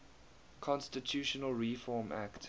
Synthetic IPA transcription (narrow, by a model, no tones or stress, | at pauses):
kʰɔ̃nstɪtʰjuʃənəlɹifɔːmʔa̰kt